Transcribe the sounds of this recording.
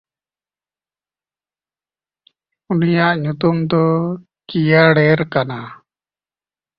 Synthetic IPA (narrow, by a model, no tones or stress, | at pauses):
unijaʔɲut̪umd̪ɔ | kijaɽɛɾkana